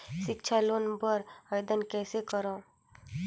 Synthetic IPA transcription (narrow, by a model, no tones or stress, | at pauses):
ʃɪkt͡ʃʰalonbəɾəjd̪ənkɛːsekəɾã